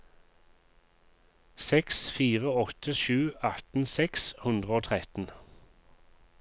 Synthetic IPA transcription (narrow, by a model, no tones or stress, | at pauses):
sɛksfiːʁəɔt̪ʰəʃʉːɑt̪n̩sɛkshʉnd̪ʁəoːt̪ʰʁɛt̪n̩